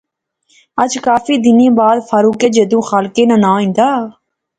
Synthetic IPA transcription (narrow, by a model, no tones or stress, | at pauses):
əd͡ʒkaːfiːd̪ɪnẽːbaːd̪faːɾuːkeːd͡ʒeːd̪ũːxaːlkeːnãːnãːĩːnd̪aː